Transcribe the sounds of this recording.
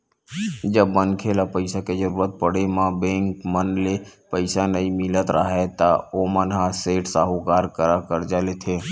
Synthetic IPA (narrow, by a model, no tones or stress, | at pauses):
d͡ʒəbːənkʰeːlapəɪsaked͡ʒəɾuːɾət̪̚pəɽ̤emãbẽːŋkmənlepəɪsanəĩmɪlət̪ɾaɦet̪aoːmənɦaseːʈsaːɦokaːɾkəɾakəɾd͡ʒaːlet̪ʰeː